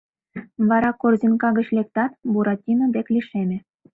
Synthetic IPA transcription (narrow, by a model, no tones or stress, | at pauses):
βɑɾɑkorzinkɑɣət͡ɕlʲek̚t̪ɑt̪buɾɑtʲinŏb̪ekliʃemʲĕ